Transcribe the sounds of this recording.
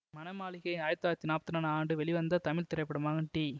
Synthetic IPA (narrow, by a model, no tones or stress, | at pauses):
mɐnɐmaːɭɪɣɐɪaːjɐt̪ːaːjɾɐt̪ːinaːpɐ̥t̪ːɪnaːnaːɳɖɯʋɛɭiʋɐnd̪ɐt̪ɐmɪlt̪ɪɾɐɪpːɐɽɯmaːɣɐʈiː